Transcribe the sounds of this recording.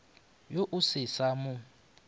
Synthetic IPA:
joʔusɪsamʊ

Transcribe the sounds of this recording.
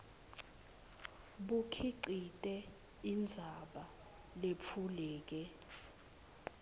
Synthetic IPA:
ɓukʰiǀitʼɛ | ind͡zʱaɓa | lep̪fʰulɛːk̬ɛ

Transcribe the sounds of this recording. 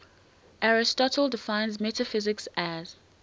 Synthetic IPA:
ʔaɹɪstɔtʰəlˠdɪfãɪ̃nzmɛtəfɪzɪksæz̥

